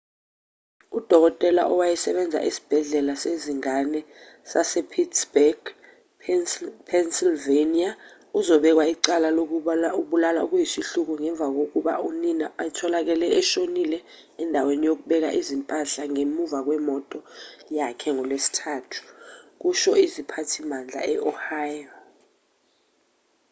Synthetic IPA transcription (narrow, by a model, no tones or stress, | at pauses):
ud̥ʱɔk̬ɔtʼɛla̰ʔɔwajɛsɛɓɛnd͡zʱa̰ʔisi̥b̥ʱɛɮɛlaseziŋanɛ | sasɛpʰitsbɛɡ̥ | pʰɛnsilvenia | uzɔɓɛk̬waiǀalalouɓulala̰uk̬ujisiɬuk̬uŋɛɱb̪vʱak̬ok̬uɓa̰uninaʔajtʰɔlak̬ɛlɛɛʃonilɛ | ɛndʱawenijok̬uɓɛk̬a̰ʔizimpʼaɬaŋemuvak̬wɛmɔtʼɔjakʰɛŋɔlwesi̥tʰaːtʰu̥k̬uʃɔizipʰatʰimand͡ɮʱa̰ɛʔɔhaːjɔ